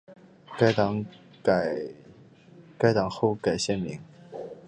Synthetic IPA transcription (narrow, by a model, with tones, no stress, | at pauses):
ka˥ɪt̪ɑ˧˥ŋ˨˩ | ka˥ɪt̪ɑ˨˩ŋxo˥˧ʊka˨˩ɪɕjɛ˥˩nmi˧˥ŋ